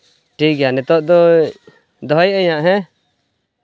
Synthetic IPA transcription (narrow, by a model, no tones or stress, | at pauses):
ʈʰikjanɛt̪ɔʔd̪ɔ | d̪ɔɦɔjəɲaʔɦɛ̃